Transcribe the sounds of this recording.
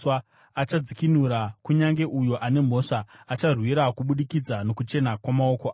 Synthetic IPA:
a | at͡ʃad͡zikinuɾakuɲaŋɡe̞ʔujo̞ʔane̞m̤o̞ʂaːt͡ʃarwiɾakuɓuɗikid͡zano̞kut͡ʃe̞nakwamao̞koaː

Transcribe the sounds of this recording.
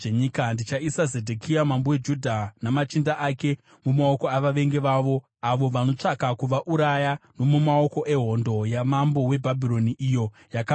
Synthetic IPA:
eɲikandit͡ʃaisazedʱekʰiamambowed͡ʒudʱanamat͡ʃindaʔake̞ | mumao̞koaʋaʋe̞ŋɡe̞ʋaʋo̞ | aʋo̞ʋano̞t͡ʂakakuʋaʔuɾajano̞mumao̞ko̞ʔe̞ɦo̞ndo̞jamambo̞we̞bʱabʱiɾo̞niʔijo̞ | jaka

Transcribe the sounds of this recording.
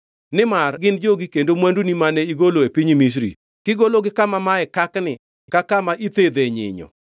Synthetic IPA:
nɪmarɡɪnd͡ʒoɡikendomwɛndunimanɛiɡoloepiɲmis̬ɾḭ | kɪɡoloɡɪkamamaɛkaknɪ | kakamaʔit̪ed̪eɲɪ̰ɲɔ̰

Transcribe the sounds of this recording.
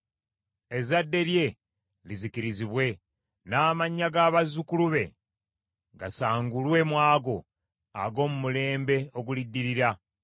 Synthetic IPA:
e̞zadːe̞lje̞ | lizikiɾiziβwe̞ | naːmaɲːaɡaːβazukuluβe̞ | ɡasaːŋɡulwe̞mwaːɡo̞ | a̰ɡo̞ːmumule̞ːmbe̞o̞ɡulidːiɾiɾa

